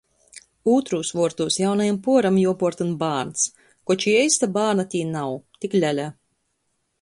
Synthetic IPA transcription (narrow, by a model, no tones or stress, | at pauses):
uːt̪ɾuːsvuɔɾt̪uːsjawnajampuɔɾamjuɔpɔɾt̪unbaːɾns | kɔt͡ʃiɛjst̪abaːɾnat̪ʲiːnawt̪iklʲælʲa